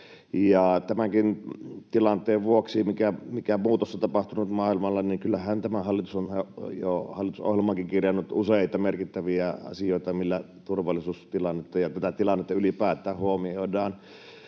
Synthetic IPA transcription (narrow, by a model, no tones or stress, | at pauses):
jɑt̪æmæŋkint̪ilɑnt̪ˑeːʋʋuoksimikæmikæmuːt̪osːɑt̪ɑpɑht̪unut̪mɑːilmɑlːɑniŋkylːæhænt̪æmæhɑlːit̪usonjohɑlːˑit̪uso̰hjelmɑŋkiŋkirjɑnːut̪ʔuseˑit̪ɑmerkit̪ːæʋiæɑ̰sijoˑit̪ɑmilːæ | t̪urʋɑlːˑisuːst̪ilɑnːet̪ːɑjɑt̪æt̪æt̪ilɑnːet̪ːɑylipæːt̪ˑæːhhuomiodɑːn